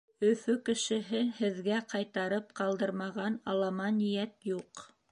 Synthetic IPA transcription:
ɵ̆fɵkɘ̆ʃɘ̆ɦɘhɘ̆ðɡæqɑjt̪ɑɾɤp̚qɑlˠd̪ɤɾmɑʁɑnɑlˠɑmɑnijæt̪juq

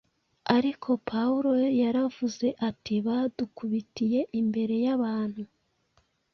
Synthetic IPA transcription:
aɾikʰo̞pʰauɾo̞jaɾavuze̞ʔatiβadukuβitije̞ʔimbe̞ɾe̞jaβaːn̥hu

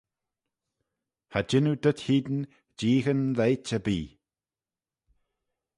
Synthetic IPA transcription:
had͡ʒɪnud̪əthiːd̪n | d͡ʒiːɣənðejt͡ʃəbiː

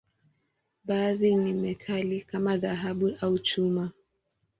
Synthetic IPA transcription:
ɓaːðinimɛtʰalikamaðaɦaɓuʔaut͡ʃuma

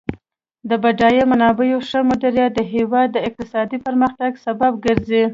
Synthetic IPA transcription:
d̪əbaɖɑjemanɑbəjoʂəmʊd̪aɾjɑd̪əɦewɑd̪ːəɪq̚t̪ɪsɑd̪ipəɾməxt̪aɡsabab̚ɡəɾzi

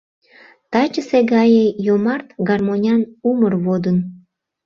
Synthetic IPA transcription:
t̪ɑt͡ɕəseɡɑjejomɑrt̪ɡɑrmonʲɑnumərβod̪ən

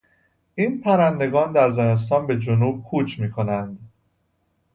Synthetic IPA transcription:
ʔiːnpʰæɾænd̪e̞ɡɒːnd̪æɾzene̞s̬t̪ɒːnbe̞d͡ʒonuːb̥̚kʰuːt͡ʃʰmiːkʰo̞nænd̪

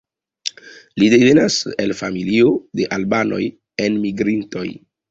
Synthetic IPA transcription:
lide̞ve̞naselfamilio̞de̞ʔalbano̞̰j | e̞nmiɡɾinto̞̰j

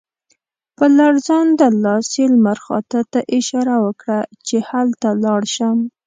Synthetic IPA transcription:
pəlaɽzɑnd̪əlɑselmaɾxɑ̰t̪at̪aʔɪʃɑɾawəkɽat͡ʃehalt̪alɑɽʃəm

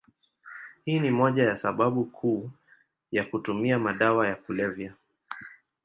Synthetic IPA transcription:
hiːnimɔʄajasaɓaɓukʰuː | jakutumiamaɗawajakulɛvja

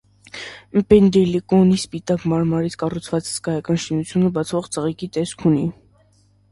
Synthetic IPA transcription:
pɛnd̪ɛlikɔnispit̪ɑkmɑɾmɑɾit͡sʰkɑrut͡sʰvɑt͡shə̥skɑjɑkɑnʃinut͡sʰjunəbɑt͡sʰvɔʁt͡səʁikit̪ɛskʰuni

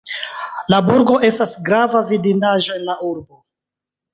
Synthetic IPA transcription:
labuɾɡo̞ʔe̞stasɡɾavavidinaʒo̞e̞nlaʔuɾbo̞

